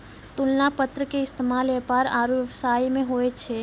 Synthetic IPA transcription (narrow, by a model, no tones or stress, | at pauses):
t̪ulnapət̪ɾəkeɪst̪eːmaːlepaːɾaːɾujəʋsaːimẽɦoet͡ʃʰe